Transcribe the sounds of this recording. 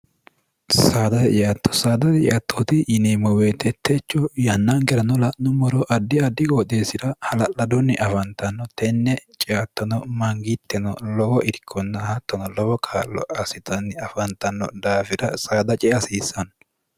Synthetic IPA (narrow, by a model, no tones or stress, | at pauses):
saːd̪ɐt̪ɛt͡ʃɪjɐt̪ːɔ̥saːd̪ɐt̪ɛɪ̰ʔɐt̪ʰːot̪ɪʔɪnemɔweːt̪ːɛt̪ʰːɛt͡ʃːɔjɐnːɐnɡɛɾɐnɔlɐnʊmɔɾɔʔɐd̪ːɪɐd̪ːɪɡoːd̪eːsɪd̪ɐhɐlɐlːɐd̪ɔnːɪʔɐfɐnt̪ːɐnːɔt̪ɛnːɛt͡ʃʼɛjat̪ːɔnɔmɐŋɡɪt̪ʰːɛnɔlɔwɔʔɪɾɪkʰːɔnːɐhɐt̪ːɔnɔlɔwɔkʰaːlːɔ̰ʔɐsɪt̪ɐnːɪɐfɐnt̪ːɐnːɔ̰d̪aːfɪd̪ɐsaːd̪ɐt͡ʃʼɛɐsiːsːɐn